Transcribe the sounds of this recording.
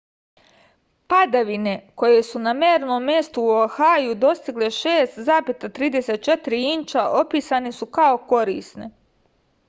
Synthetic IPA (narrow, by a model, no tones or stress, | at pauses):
pad̪aʋine̞ko̞jesunameːɾno̞ːmːje̞st̪uːoaxajud̪o̞st̪iɡle̞ʃeːst̪zaːpet̪at̪ɾiːd̪e̞set̪̚t͡ʃe̞t̪iɾiint͡ʃaʔo̞piːsanisukao̞ko̞ɾḭːsne̞̰